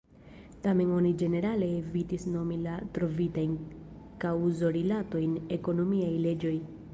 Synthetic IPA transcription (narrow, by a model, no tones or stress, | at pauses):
tame̞no̞nid͡ʒe̞ne̞ɾale̞ːvitisno̞milatɾo̞vitajn | kawzo̞ɾilato̞jne̞ko̞no̞miajle̞d͡ʒo̞j